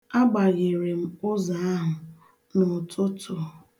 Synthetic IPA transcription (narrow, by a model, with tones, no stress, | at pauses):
a˦ɡ͡ba˨ɣe˨ɾe˨m̩˦ʊ˦za˨˦a˦ɦʊ˨ | nʊ˨tʊ˦tʊ˦